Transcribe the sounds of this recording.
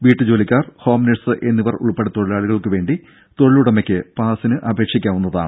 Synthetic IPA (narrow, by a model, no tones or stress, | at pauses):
ʋiːʈːɨd͡ʑo̞ːlikʲːaːrho̞ːmneʈsɨʔe̞nːiʋɐrṵɭpeɽet̪o̞ɻiɭaːɭuɣɐɭkɨʋe̞ːɳɖi | t̪o̞ɻɐɭuɽɐmekʲːɨpaːsinɨʔɐbʱe̞ːkʂikʲːaːʋunːɐða̰ːɳɨ